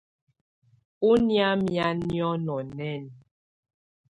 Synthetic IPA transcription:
u˦nja˦mja˦njɔ˦nɔ˨nɛ˦˨n

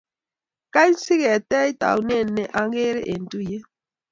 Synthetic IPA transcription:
ka˦ɲ˦si˦ɣɛ˨tɛ˦i˦ta̰˨u˨ne˦˨nːɛ˨ʔa˦ŋ˦ɡe˦ɾḛ˦ʔe˨n˨tu˦je˦

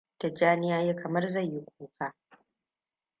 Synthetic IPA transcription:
d̥a˨d͡ʒaː˦nɪ˦jaː˦jeː˦kʰɐ˨mɐ˦rza˦˨jjɪ˦kʷʰuː˦kʰaː˦

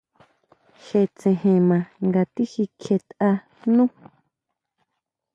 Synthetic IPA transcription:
he˨t͡sẽ˨hẽ˨mã˨ŋɡa˨t̪i˦hi˧kʰe˧t̪ʔa˧ | nũ˦

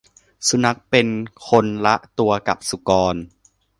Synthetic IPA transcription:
su˧na˦˥k̚pe˧nkʰo˧nla˦˥ʔt̪u˧ɐka˨˩p̚su˨˩kɔː˧n

